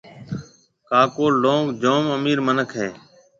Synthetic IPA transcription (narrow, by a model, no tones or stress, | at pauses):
kaːkoːlɖõːkd͡ʒoːməmiːɾmənəkʰɦeː